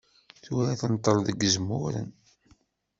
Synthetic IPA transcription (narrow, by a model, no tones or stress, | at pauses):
θʊɾæθənt̪ˤːəɾˤðəɡəzmʊ̰ɾə̰n